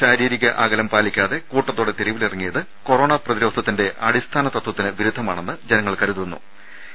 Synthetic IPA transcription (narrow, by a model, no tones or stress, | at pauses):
ɕaːɾiːɾiɣɐʔaːɡɐlɐmpaːlikʲːaːðe̞kuːʈːɐt̪ːuːɽet̪iɾiʋilirɐŋːijɐðɨ | ko̞roːɳaprɐðiɾo̞ːd̪ʱɐt̪ːinde̞ʔɐɽist̪ʰaːnɐt̪ɐt̪wɐt̪ːinɨʋiɾud̪ʱːɐmaːɳe̞nːɨd͡ʑenɐŋːɐɭkɐɾuðunːṵ